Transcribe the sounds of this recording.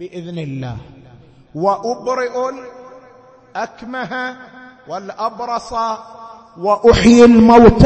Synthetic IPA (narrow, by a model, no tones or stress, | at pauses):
bɪʔɪðnɪlːa̰ːh | wɪʔʊbɾɪʔʊl | ʔakmaɦa | walʔɑbɾˤɑsˤɑ | wɪʔʊħjɪlmawt̪